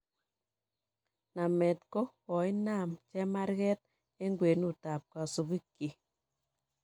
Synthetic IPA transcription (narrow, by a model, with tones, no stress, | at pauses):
na˨mɛ˨tko˦wɔ˨i˦na˦˨mt͡ʃɛ˦ma˦ɾɣɛ˦t̚ | e˦ŋɡwe˨nu˦˨ta˨p̚ka˨so˨βi˦kːi˨